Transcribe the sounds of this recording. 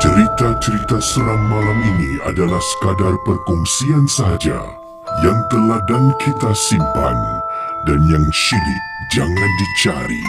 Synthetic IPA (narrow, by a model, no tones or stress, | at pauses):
t͡ʃəɾit̪at͡ʃəɾit̪asəɾaŋːalaminia̰dalahsə̥kadarpərkɔŋsiansaɦad͡ʒa̰ | jaŋt̪əladaŋkʰit̪asimpa̰n | danjaŋʃilɪk̚d͡ʒaŋãndit͡ʃaɾḭ